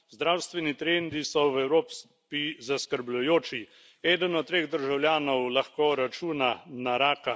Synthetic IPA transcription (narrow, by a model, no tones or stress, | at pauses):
zd̪ɾawst̪ʋɛnit̪ɾeːnd̪isɔwɛwɾoːps | pizaskəɾblujoːt͡ʃi | ɛːd̪ənɔt̪t̪ːɾeːɣd̪əɾʒawljaːnɔwlaxkoɾat͡ʃuːnanaɾaːka